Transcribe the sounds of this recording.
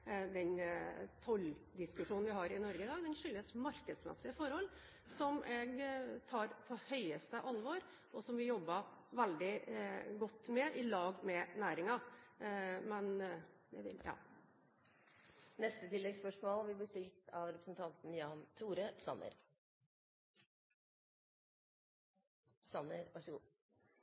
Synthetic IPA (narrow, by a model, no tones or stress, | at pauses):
d̪ɛnt̪ʰɔld̪ɪskʉʂuːnn̩ʋɪɦɑɾɪnɔɾɡəɪd̪ɑːɡd̪ɛnʂʏlːəsmɑɾkəsmɛ̰sːɪəfɔɾhɔlː | sɔmʔɛɡt̪ʰɑːɾpʰɔhœʏəst̪əʔɑlːʋɔːɾ | ʔɔsɔmʋɪjɔbːəʋɛld̪ɪɡɔt̪ːmɛʔɪlɑːɡmɛnæːɾɪŋɑ | mɛn | jæʋɪ̰ljɑ̰ː | nɛst̪ət̪ʰɪlːɛɡspœʂmoːlbɪblɪst̪ɪlt̪ʰɑʋɾɛpɾəsnt̪ʰɑnt̪n̩jɑːnt̪ʰuːɾəsɑ̰nːə̰ɾ | sɑnːəɾʋɑʂəɡuː